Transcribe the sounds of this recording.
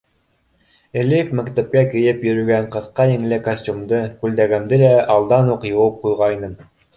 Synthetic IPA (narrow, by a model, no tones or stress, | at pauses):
ɘ̆lɘkmækt̪æp̚kækɘ̆jɘpjɵ̆ɾɵ̆ɡæɴqɤ̆θqɑjɘ̆ŋɘ̆lɘkɐsʲtʲumd̪ɤkʉld̪æɡæmd̪ɘlæɑlˠd̪ɑnuqjŏwɤp̚qujʁɑinɤm